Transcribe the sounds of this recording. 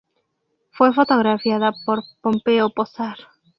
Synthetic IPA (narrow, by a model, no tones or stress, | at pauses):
fwefot̪oɣɾafjaðapoɾpompeoposaɾ